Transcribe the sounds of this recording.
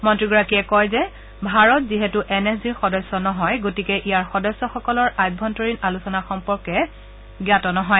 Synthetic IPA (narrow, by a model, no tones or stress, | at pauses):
mɔntɹiɡɔɹakiɛkɔjzɛ | bʱaɹɔtziɦɛtuʔɛnɛsziɹxɔdɔsːɔnɔɦɔjɡotikɛʔijaɹxɔdɔsːɔxɔkɔlɔɹajb̚bʱɔntɔɹinalusɔnaxɔmpɔɹkɛ | ɡiatɔnɔɦɔj